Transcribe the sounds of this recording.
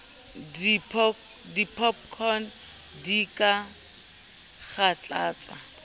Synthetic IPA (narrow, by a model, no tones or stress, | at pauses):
ipʰ | dipʰɔpkʰɔn | dikʼa | χat͡ɬʼaːt͡sʼa̰